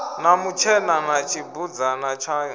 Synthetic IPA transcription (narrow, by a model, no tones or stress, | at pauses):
namut͡ʃʰɛnanat͡ʃʰibud͡zanat͡ʃʰa